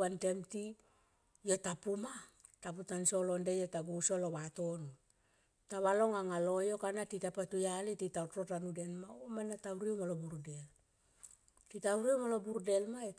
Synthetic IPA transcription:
ante̞mti | jo̞tapuma | taputanso̞lo̞ndejotaɡuso̞lowato̞nu | taβalo̞ŋaŋalo̞jo̞kanatitapatujalititawto̞tanude̞nmaomanatawɾiumolobuɾdel | titawɾimolo̞buɾde̞lmae

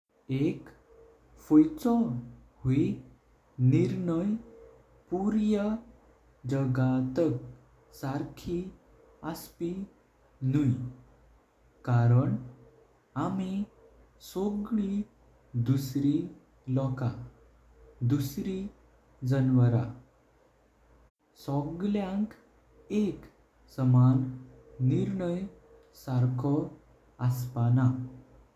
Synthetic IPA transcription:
ek | fujt͡sɔ | hi | niɾɳəj | puɾjə | d͡ʑəɡat̪ək̚ | saɾkʰi | aspi | nuj | kaɾəɳ | ami | sɔɡɭi | d̪usɾi | lɔka | d̪usɾi | d͡zənʋəɾa | sɔɡljãŋk | ek | səmanː | iɾɳəj | saɾkʰɔ | aspana

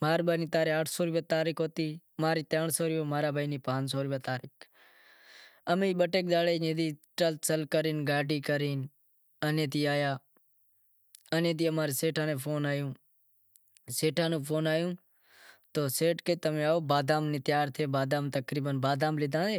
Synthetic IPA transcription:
maːɾbaːniːt̪aːɾiːkəʈʰsoːɾiːʋeːt̪aːɾiːkɦoːt̪iːmaːɾiːt̪əːɳsoːɾiːoːmaːɾaːbaːiniːpãːsoːɾiːʋaːt̪aːɾiːk | əmẽːɓəʈeːk̚d̪aːleːnẽːd̪iːʈəlt̪səlkəɾiːnɡaːʈiːkəɾiːn | ənẽːt̪iːaːjaː | ənẽːd̪iːəmaːɾiːseːʈʰãːnẽːpʰoːnaːjũː | seːʈʰãːnũːpʰoːnaːjũː | t̪oːseːʈkeːt̪əmẽːaːoːbaːd̪aːmnĩːt̪jaːɾt̪ʰeːbaːd̪aːmt̪əkɾiːbənbaːd̪aːmlɪd̪ãːd̪eː

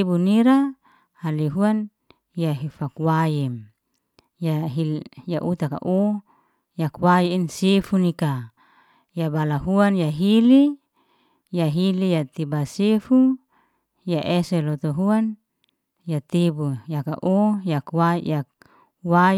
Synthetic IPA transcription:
ebuniɾa | haliɦuan | jaɦifakwajɛm | jaɦijaʔut̪aka̰ʔo | jakwajiinsefunika | jabalaɦuanjaɦili | jaɦilijat̪ibasefu | jaʔeselɔt̪oɦuan | jat̪ebujaka̰ʔojakwajak̚ | wa

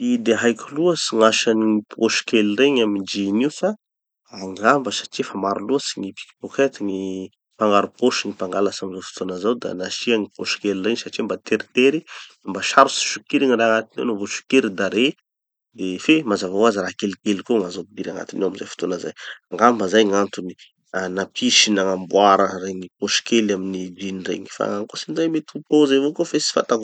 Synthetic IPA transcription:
id̪eɦajkʲuluəsiŋaʃaniipʰoʃkelireɲamind͡ʒiniwfa | aŋɡambəsḁʈ͡ʂiefamaɾuluəsiɲipi̥ki̥poket̪iŋi | paŋɡaɾupoʃuŋipaŋɡalasamizofu̥t̪onəzawd̪a̰naʃiaŋipoʃkelireɲsaʈ͡ʂimbat̪eɾit̪eɾi | mbaʃaɾusi̥ʃukiɾiŋiɾaaŋat̪inḛwnovoʃu̥keɾid̪aɾe | d̪efemazavawaziɾakelkelkoŋazowpid̪iɾaŋa̰t̪inewamizafu̥t̪onəzajaŋɡambəzajŋant̪uni | anapʰiʃinaŋambwaɾəɾenipoʃi̥kʰelaminid͡ʒinirḛɲi̥fa̰aŋkosinizajmet̪upozavokofesi̥fa̰t̪ako

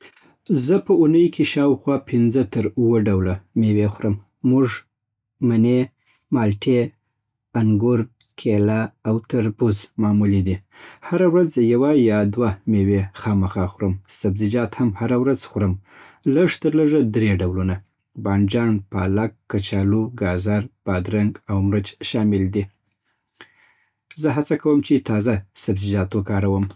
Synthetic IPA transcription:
zəpəunəjkʰeʃɑwxwɑpʰɪnzət̪əɾuwəɖawlamewexɾəmː | uʐ | mane | mɑlʈe | aŋɡʊɾɡ̚ | kʰelaːwt̪aɾbuzmɑmulid̪ihaɾawɾazjawajɑd̪wamewexɑməxɑxɾəmsabzid͡ʒɑt̪hamhaɾawɾazxɾəm | ləʐt̪əɾləʐəd̪ɾeɖawluna | bɑnd͡ʒɑnpɑlakːat͡ʃɑluɡɑzaɾbɑd̪ɾaŋɡawmɾət͡ʃʃɑmɪld̪i | zəɦat͡sakawəmt͡ʃet̪ɑzasabzɪd͡ʒɑt̪wəkɑɾawəm

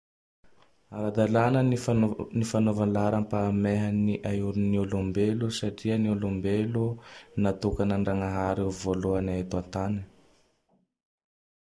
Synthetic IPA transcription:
aɾad̪alanə | nifanovanlaɾampameɦaniʔajuɾuniolumbelusaʈ͡ʂiəniolumbelunat̪ukanaɳɖ͡ʐaŋaɦaɾevoluanaet̪uant̪ani

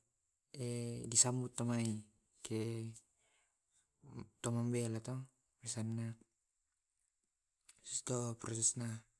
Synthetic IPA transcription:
ɛdisambut̪ːamai | ke | t̪ɔmambɛlat̪ɔ | bisanːa | sust̪opɾɔsɛsna

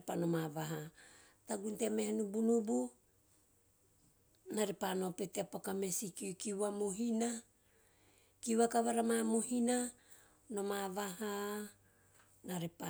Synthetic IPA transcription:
epano̞mavaɦa | taɡuntemehenubunubu | naɾepano̞peteapakame̞sikikiwamoɦina | kiwakaβaɾamamo̞hina | no̞mavaha | naɾepa

